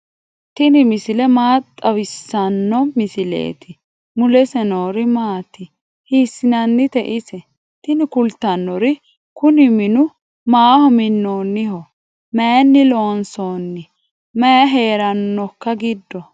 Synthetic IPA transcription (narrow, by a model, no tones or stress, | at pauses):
t̪ɪnɪmɪsɪlɛmaːt̪ʼːɐwɪsːɐnːɔmɪsɪlḛːt̪ʰɪ | mʊlɛsɛnoːɾɪmaːt̪ɪ | hiːsːɪnɐnːɪt̪ɛʔɪsɛ | t̪ɪnɪkʊlt̪ːɐnːɔɾɪ | kʊnɪmɪnʊ | maːhɔmɪnːoːnːɪhɔ | meːnːɪloːnsoːnːɪ | mɐjɦe̞ːɾɐnːɔkːɐɡɪd̪ːɔ